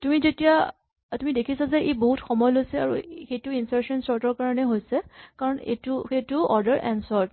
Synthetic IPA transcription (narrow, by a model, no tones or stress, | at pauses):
tumizetija | tumidekʰisazɛʔejboɦutxɔmɔjɔlojsɛa̰ɹṵxejtuinsaɹsɔnsɔɹtɔɹkaɹɔnɛɦojsɛkaɹɔnḛtuxetuɔɹdəɹʔɛ̰nsɔɹt